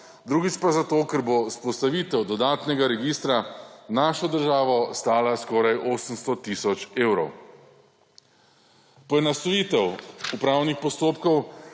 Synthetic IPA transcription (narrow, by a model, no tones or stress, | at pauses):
d̪ɾuːɡit͡ʃpazat̪oːkɛɾbospɔst̪aʋiːt̪ɛwd̪ɔd̪aːt̪nɛɡaɾɛɡiːst̪ɾanaːʃɔd̪əɾʒaːʋɔst̪aːlaskɔːɾajʔoːsəmst̪ɔt̪isɔt͡ʃeːwɾɔw | pɔjɛnast̪ɔjiːt̪ɛwupɾaːwnixpɔst̪oːpkɔw